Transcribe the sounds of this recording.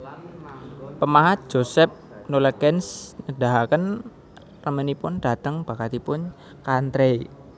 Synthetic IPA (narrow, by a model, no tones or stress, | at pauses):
pəmaɦat̪̚ʒ̥osɛp̚noləkɛnsnəɖaɦakən | rəmənipʊnɖ̥a̤t̪əŋb̥a̤kat̪ipʊn | kant̪ɾei